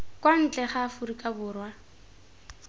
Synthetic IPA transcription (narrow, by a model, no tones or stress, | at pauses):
kʼwan̩t͡ɬʼɛχaːfʊrikʼabʊːrwa